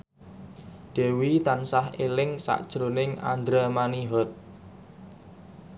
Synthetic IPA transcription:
d̪̥e̤wit̪ansaɦelɪŋsa̰ʔd̥ʒ̥ɾonɪŋa̰nd̪ɾamaniɦɔt̪̚

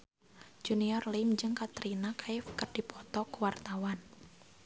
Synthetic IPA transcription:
d͡ʒ̥uniɔrlimd͡ʒɨŋkat̪ɾinakʰaɪfkərd̥i̤pʰɔt̪ɔkəwart̪awan

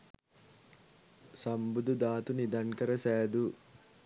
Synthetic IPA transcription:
sɐmbud̪ud̪aːt̪unid̪ɐŋkɐɾɐsɛːd̪u

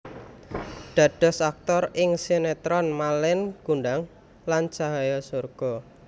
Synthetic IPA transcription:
ɖ̥a̤ɖ̥ɔ̤sak̚t̪ɔɾɪŋsenet̪ɾɔnmalɪnɡ̥uɳɖaŋ | lant͡ʃaɦajɔsorɡ̥ɔ

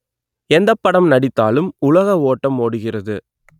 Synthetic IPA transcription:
ɛnd̪ɐpːɐɽɐmnɐɽɪt̪ːa̰ːlɯmʊlɐɣɐoːʈːɐmːoːɽɯɣɪrɐðɯ

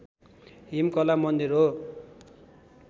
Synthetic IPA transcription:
ɦimkʌlamʌnd̪irɦo

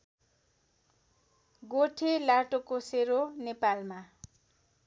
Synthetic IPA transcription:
ɡoʈʰelaʈokoseɾonepalma

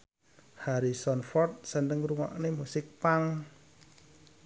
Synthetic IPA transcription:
haɾisɔnfɔrt̪̚səndəŋruŋɔ̰ʔnimusɪk̚paŋ

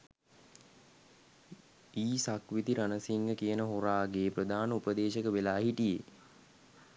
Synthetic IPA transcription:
iːsakʋit̪iɾanəsiŋɡəkijənəɦoɾaːɡeːpɾəd̪aːnəupəd̪eːʃəkəʋelaːɦiʈijḛ

